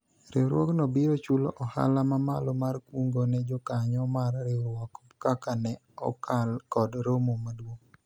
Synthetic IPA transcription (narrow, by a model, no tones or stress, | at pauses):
ɾɪwɾwɔknɔbiɾot͡ʃuloʔɔha̰lamamalɔmarkwuŋɡonɛd͡ʒɔkaɲɔmarːɪwwako̥pkakanɛ | ɔ̰kʰalkɔdɾomomadwoŋ